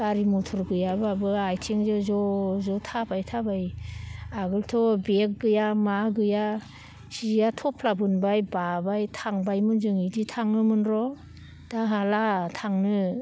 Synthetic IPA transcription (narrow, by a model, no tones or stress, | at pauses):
ɡaɾimɔtʰɔɾɡɯjababɯajtʰeŋzɔzɔzɔtʰabajtʰabaj | aɡɯltʰɔbek̚ɡɯjamaɡɯja | sijatʰɔpʰlabɯnbajbabajtʰaŋbajmɯnzɯŋiditʰaŋnɯmɯnɾɔ | d̥aɦalatʰaŋnɯ